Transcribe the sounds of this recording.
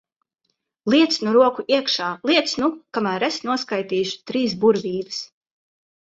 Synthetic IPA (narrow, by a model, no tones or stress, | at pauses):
lˠiɛt̪snuɾuɔkuʔiɛkʃaːlˠiɛt̪snukamæːɾesnuɔskajt̪iːʃu̥t̪ɾiːs̬buɾviːvɨs